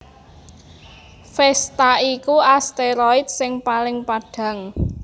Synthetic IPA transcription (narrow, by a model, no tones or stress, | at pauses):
fɛst̪aikuast̪eɾɔit̪̚sɪŋpalɪŋpaɖ̥ä̤ŋ